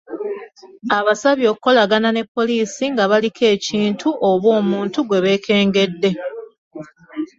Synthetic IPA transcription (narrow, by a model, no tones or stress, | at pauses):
aβasaβjo̞ːkuko̞laɡanane̞pːo̞liːsiŋɡaβalikʰe̞ːciːntuʔoβwo̞ːmuːntuɡwe̞βe̞ːkʰe̞ːŋɡe̞dːe̞